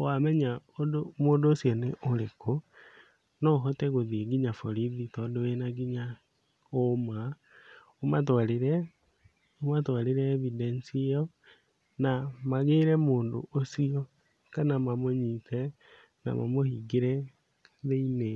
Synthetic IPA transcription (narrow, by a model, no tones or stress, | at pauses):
wamɛɲaodomoːndoːsjɔneʔoɾeko | nɔɦotɛɣoðieɡiɲafoɾiðitɔdowenaɡiɲa | oma | omatwaleɾɛ | omatwaleɾɛːβidɛnsiɔ | namaɣeɾɛmoːndo̰ʔosiɔ | kanamamoɲitɛ | na̰ma̰mohiɡeɾɛ | ðeine